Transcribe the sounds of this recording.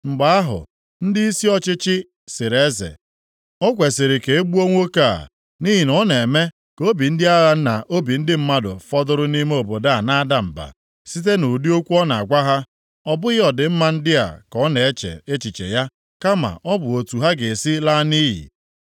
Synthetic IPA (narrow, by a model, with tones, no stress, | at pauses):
ŋ͡m̩˨ɡ͡ba˨a˦ɦʊ̰˨ | n̩˦dɪ˦i˦si˦ɔ˦t͡ʃɪ˦t͡ʃɪ˦ | sɪ˨ɾe˦zḛ˨ | ɔ˦kʷe˨sɪ˨ɾɪ˨ke˨e˦ɡ͡bu˦o˦ŋʷo˦ka̰˦˨ | ni˦ɦi˨nɔ˦ne˨me˦ | ko˦bi˨n̩˦dɪ˦a˦ɣa˨n̩˦na˨ʔo˦bi˨n̩˦dɪ˦m̩˦ma˦dʊ̰˨fɔ˦dʊ˦ɾʊ˦ni˦me˦o˨bo˨da˦˨na˦da˨m̩˨ba̰˨ | si˦t̬e˦no˨di˦o˦kʷu˦ɔ˦na˨a˨kʷa˦ɦa˦ | ɔ˦bʊ˦ɣɪ˦ɔ˨dɪ˨m̩˦ma˦n̩˦dɪ˦a̰˨kɔ˦ne˨e˦t͡ʃḛ˨e˦t͡ʃi˨t͡ʃḛ˨ja˦ | ka˦ma̰˨ʔɔ˦bʊ˨o˨tu˨ɦa˦ɡe˨si˦la˦niː˦ɦḭ˨